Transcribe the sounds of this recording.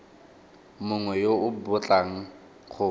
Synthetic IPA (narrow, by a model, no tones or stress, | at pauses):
mʊŋwɛjoʊbʊt͡ɬʼaŋ̩ | χʰʊ